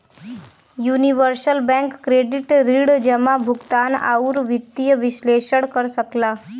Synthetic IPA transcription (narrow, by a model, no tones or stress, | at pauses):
juniʋəɾsəlbɛ̃ŋkːɾeɖiʈɾiɽd͡ʒɛmãbʱuɡt̪ana̰uɾʋit̪ːijəʋiʃleʃəɽkəɾsəkla